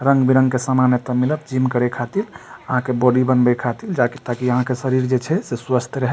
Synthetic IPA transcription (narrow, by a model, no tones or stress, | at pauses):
ɾəŋɡbiɾə̃ŋɡkesamanjət̪əmiləbd͡ʒimkəɾekʰat̪iləɦãkebɔɽibənbɛkʰat̪ild͡ʒakit̪akiəɦãkesəɾiɾd͡ʒet͡ʃʰɛseswast̪ʰɾəɦɛ